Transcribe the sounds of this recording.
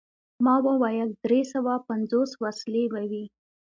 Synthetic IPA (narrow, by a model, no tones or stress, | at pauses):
mɑwəwajəld̪ɾesawapanzoswaslebawi